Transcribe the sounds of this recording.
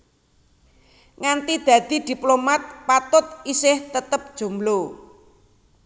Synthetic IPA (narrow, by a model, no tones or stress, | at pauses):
ŋant̪id̪̥ä̤d̪̥i̤d̪̥i̤plomat̪̚pat̪ʊt̪̚isɪht̪ət̪əp̚d̥ʒ̥o̤mblo